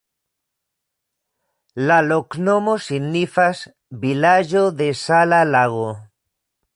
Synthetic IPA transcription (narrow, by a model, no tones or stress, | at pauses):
laloknomosinːifas | bilaʒoðesalalaɣo